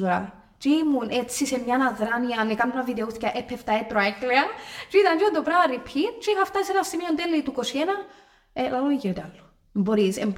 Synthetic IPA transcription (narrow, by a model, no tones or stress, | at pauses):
uɾɐ | t͡ʃiimunʔet͡sːisemɲɐnaðɾɐniɐnekɐnɐviðeuθcɐʔepʰːeft̪ɐet̪ɾoekleɐt͡ʃiit̪ɐnd͡ʒiond̪opɾɐvɐripʰːitt͡ʃixɐft̪ɐsisenɐsimiont̪elːit̪ukosienɐ | elɐloiciɾt̪alːo̥ | emboɾisemb